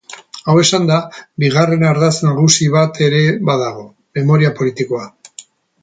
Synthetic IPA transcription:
awe̞sand̪abiɣ̞are̞naɾðasnaɣusiβat̪e̞ɾe̞βaðaɣ̞o̞ | me̞mo̞ɾiapolit̪iko̞a

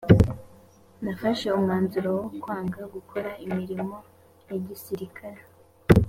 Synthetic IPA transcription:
nafaʃe̞umŋaːnzuɾowokwaːŋɡaɡukʰo̞ɾaimiɾimo̞ | jeɟisiɾikʰaɾe

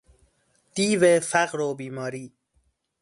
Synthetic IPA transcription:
d̪̥iːvefæɣɾoːbiːmɒːɾiː

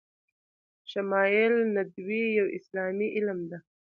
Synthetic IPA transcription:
ʃamɑjɪlnad̪wijawʔɪslɑːmiʔɪlmd̪a

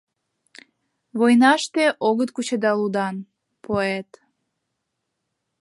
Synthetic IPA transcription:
βojnɑʃt̪eʔoɣət̪̚kut͡ɕed̪ɑlud̪ɑn | poet̪

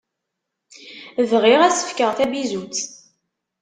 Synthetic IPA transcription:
vʁiʁæsə̥fkəʁθæbizut͡s

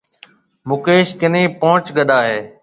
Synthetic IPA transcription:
mʊkeːʃkɪnẽːpõːt͡ʃɡəɗaːɦeː

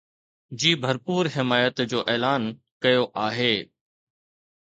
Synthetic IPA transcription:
d͡ʑiːbʱɐɾpuːɾɦɪmaːjət̪d͡ʑoːʔɛːlaːn | kɐjoʔaːɦeː

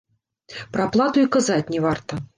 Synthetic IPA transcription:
pɾaplˠat̪uikazatʲnʲɛvart̪ɐ

